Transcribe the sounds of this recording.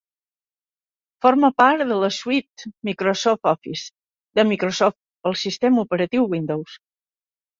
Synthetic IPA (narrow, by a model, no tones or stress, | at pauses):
fɔɾməpaɾðələswit̪mikɾosɔft̪ɔfḭs | d̪əmikɾosɔft̪̚ | əlˠsist̪eməupəɾət̪iwwind̪ows